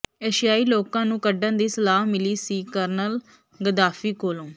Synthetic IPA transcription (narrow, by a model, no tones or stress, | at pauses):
eːʃɪjaːiːloːkãːnũːkəɖãːd̪iːsəlaːɦmɪliːsiːkəɾnəl | ɡəd̪aːfiːkoːlõː